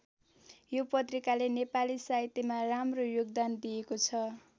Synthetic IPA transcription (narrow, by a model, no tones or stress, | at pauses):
jopʌt̪rikalenepalisaɦit̪emaramrojoɡ̚d̪and̪ijekot͡sʰʌ